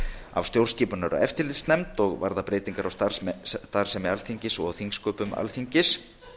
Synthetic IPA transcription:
a̰vst̪jowrsciːpʏnaɾa̰ɛft̪ɪlɪt̪snɛmt̪ɔɣva̰ɾðapɾeːjt̪iŋkaɾawst̪at̪aɾ̥sɛmɛalθiɲcɪsɔɣθiŋskœːpʏma̰lθiɲcɪs

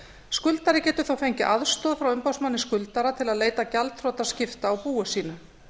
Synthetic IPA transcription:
skʏlt̪aɾɪcɛːt̪ʏɾθawfejɲcɪʔaðst̪ɔːðfɾawʏmpawsmanːɪskʏlt̪aɾat̪ʰɪlaðleːjt̪acalt̪θɾɔːt̪ascɪft̪aːwpuːʏsiːna

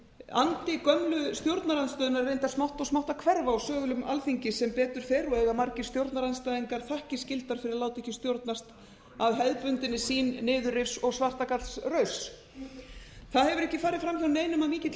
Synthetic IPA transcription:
a̰nt̪ɪkœmlʏst̪jowɾt̪naɾanst̪œːðʏnaɾvejnt̪asmawht̪ɔsmawht̪akʰvɛɾvaawsœːɣʏlʏma̰lfiɲcɪsɛmpɛːt̪ʏɾ̥fɛɾɔɛɣamaɾcɪst̪jowɾt̪naɾanst̪ajðiŋkaɾ̥θahcɪscɪlt̪aɾ̥fɪɾɪɾalaːwt̪ɛhcɪst̪jowɾt̪nast̪ | aðɦɛðpʏnt̪ɪnɪsiːnːɪːðʏrɪfsɔɣsvar̥t̪akat̪srœːɥs | θaðhɛvʏɾɛhcɪfaːɾɪðfɾamçawnejnʏmamiːcɪt̪

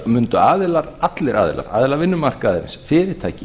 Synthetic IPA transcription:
mʏnt̪ʏaːðɪlaɾat̪lɪɾa̰ːðɪ̰la̰ɾa̰ːðɪlaɾvɪnːʏmar̥kaːðɪɾɪ̰nsfɪːɾɪɾ̥t̪ʰaːjcɪ

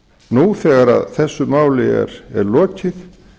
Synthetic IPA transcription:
nuθɛːɣaɾa̰ðθɛsːʏmaːwlɪɛ̰ɾɛɾlɔːcɪθ

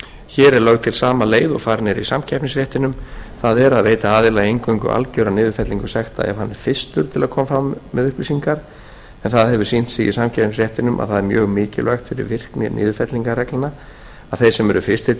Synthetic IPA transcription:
çɛːɾɛɾlœɥɣt̪ʰɪlsaːmaleːjðɔ̰faːɾnɛɾḭsamcʰɛpnɪŋsɾjɛht̪ɪnʏmθaðɛɾaðvejt̪aaːðɪlaejŋkœŋkʏ̰ʔa̰lcœwɾanɪːðʏfɛt̪liŋkʏsɛxt̪a̰ɛ̰vhanːɪ̥fɪst̪ʏɾ̥t̪ʰɪlaðkʰɔːmafɾamːɛðʏhplisiŋkaɾ | ɛnθaðhɛvʏsin̥t̪sɪɣḭsamcʰɛpnɪsɾjɛht̪ɪnʏmʔa̰ðθaðɛɾmjœːɣmɪːcɪlajxt̪fɪɾɪ̰ɾvɪr̥knɪ̰ɾnʔɪ̰ːðʏfɛt̪liŋkarɛklɪna | aðθejsɛmɛɾʏfɪ̥st̪ɪ

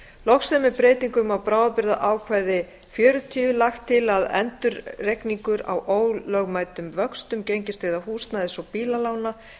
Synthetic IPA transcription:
lɔxsɛmːɛpɾeːjt̪iŋkʏmawpɾaːwðapɪɾðaʔaːwkʰvajðɪ | fjœːɾʏt̪ʰiːʏlaxt̪ʰːɪlaðɛ̰nt̪ʏɾrekniŋkʏɾa̰wʔoːwlœɣmaːjt̪ʏmvœkst̪ʏmcejɲcɪst̪vɪðahuːst̪naðɪsɔwpiːlalaːwna

